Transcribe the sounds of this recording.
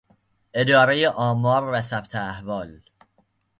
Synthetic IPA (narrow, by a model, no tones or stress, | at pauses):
e̞d̪ɒːɾejeʔɒːmɒːɾvæsæbt̪ʰeæhvɒːl